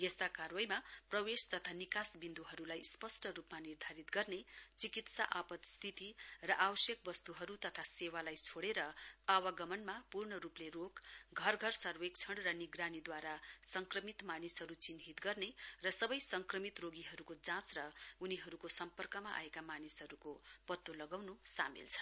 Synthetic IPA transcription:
jest̪akarwʌjmaprʌwest̪ʌt̪ʰanikasbind̪uɦʌɾulajspʌsʈʌɾupmanird̪ʱaɾit̪ɡʌrnet͡sikit̪saʔapʌt̪st̪ʰit̪irʌʔawʌsjʌk̚bʌst̪uɦʌɾut̪ʌt̪ʰasewalajt͡sʰoɽeɾʌawʌɡʌmʌnmapurɳʌɾuplerokɡʱʌrɡʱʌrsʌrwek̚t͡sʰʌɽrʌniɡranid̪waɾasʌŋkrʌmit̪manisɦʌɾut͡sinɦit̪ɡʌrnerʌsʌbʌjsʌŋkrʌmit̪roɡiɦʌɾukod͡zãt͡srʌuniɦʌɾukosʌmpʌrkʌmaʔa̰ekamanisɦʌɾukopʌt̪ːolʌɡawnusamḭlt͡sʰʌ̥n

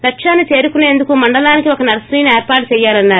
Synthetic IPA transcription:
lɐkʂaːnːit͡ʃeːɾukunːeend̪ukumɐɳɖɐlaːnikiɔkɐnɐɾɐsɾiːneːɾpaːʈ̚t͡ʃɛjːaːlɐnːaːɾ

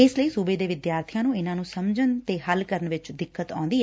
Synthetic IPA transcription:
ɪsləiːsuːbeːd̪eːʋɪd̪jaːɾt̪ʰijãːnũːɪnãːnũːsəmd͡ʒənt̪eːɦəlkəɾəɳʋɪt͡ʃd̪ɪkːət̪ã̰ːnd̪iːɛː

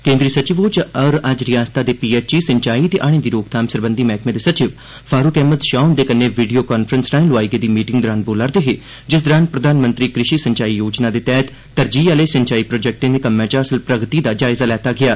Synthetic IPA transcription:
kẽːnd̪ɾiːsət͡ʃɪʋoːt͡ʃəɾɐd͡ʒɾɪjaːst̪aːd̪eːpiːeːt͡ʃiːsəɲt͡ʃaːit̪eʔaːɽ̃ẽːd̪iːɾoːkt̪ʰaːmsəɾbə̃nd̪imɛːkʰmẽd̪eːsət͡ʃɪʋ | fʰaːɾukɛːmət̪ʃaːʊnd̪eːkənːeːʋiːɖijoːkaːnfʰɾənsʈaːɪnlʊaːiɡed̪iːmiːʈɪ̃ŋɡd̪ɾaːnboːlaɾd̪eɦeː | d͡ʒɪs̬d̪ɾaːnpɾəd̪ʱaːnmə̃nt̪ɾiːkɾɪʃiːsəɲt͡ʃaːijoːd͡ʒnaːd̪eːt̪ɛːt̪ːəɾd͡ʒiːaleːsəɲt͡ʃaːiːpɾoːd͡ʒɛk̚ʈẽːd̪ekəmːɛ̃ːt͡ʃaːsəlpɾəɡt̪iːd̪aːd͡ʒaːɪzaːlɛːt̪aːɡɪjaː

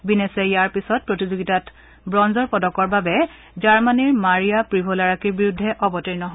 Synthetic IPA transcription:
binesejaɹpisɔt̚pɹotizoɡitat | bɹɔnzɔɹpɔdɔkɔɹbabɛ | zaɹmaniɹmaɹijapɹibʱɔlaɹakiɹbiɹudʱːɛʔɔbɔtiɹnɔɦ

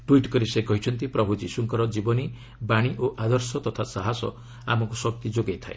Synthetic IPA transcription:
ʈuiʈkɔɾisekɔɦit͡ʃʰɔnt̪ipɾɔbʱud͡ʒisuŋkɔɾɔd͡ʒibɔni | baɽ̃iʔoʔad̪ɔɾsɔt̪ɔt̪ʰasaɦasɔ̰ | a̰mɔŋkusɔk̚t̪id͡ʒoɡejt̪ʰae

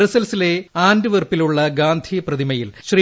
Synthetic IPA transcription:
ɾɐsɐlsile̞aːndɨʋɐrpiluɭːɐɡaːnd̪ʱijɐprɐðimɐjilɕriː

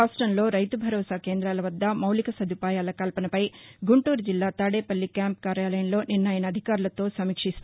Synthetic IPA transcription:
aːsʈɾɐnlo̞ːɾɐjt̪ubʱɐɾɔːsaːkeːnd̪ɾaːlɐʋɐd̪ːɐmɐwlikɐsɐd̪ʱupaːjaːlɐkɐlpɐnɐpɐjɡuɳʈuːɾd͡ʒilːaːt̪aːɽeːpɐlːikjaːmpkaːɾjaːlɐjɐnlo̞ːninːaːjnɐːd̪ʱikaːɾulɐt̪o̞ːsɐmiːkʂist̪

